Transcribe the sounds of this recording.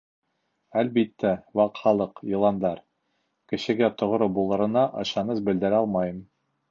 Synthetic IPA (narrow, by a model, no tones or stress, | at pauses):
ælbit̪ːæwɑqχɑlˠɤqjɤ̆lˠɑnd̪ɑɾ | kɘ̆ɕɘ̆ɡæt̪ŏʁ̆ɾobulˠɤ̆ɾɤ̆nɑʔɤ̰̆ɕɑnɤzbɘ̆ld̪ɘ̆ɾɑlˠmɑjɤm